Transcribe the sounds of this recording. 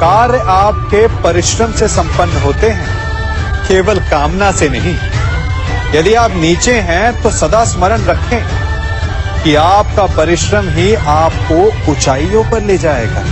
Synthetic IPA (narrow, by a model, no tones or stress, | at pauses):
kaːɾaːp̚kepɐɾɪʃɾəmsesɐ̃mpənːəɦoːt̪eɦɛ̃ː | keːʋəlkaːmnasenɐɦĩ | jɐd̪iaːpniːt͡ʃeɦɛ̃t̪osɐd̪asməɾənɾɐkʰẽ | kiaːp̚kapɐɾɪʃɾəmɦiaːp̚koʊt͡ʃaːijõpɐɾleːd͡ʒaːḛːɡa̰ː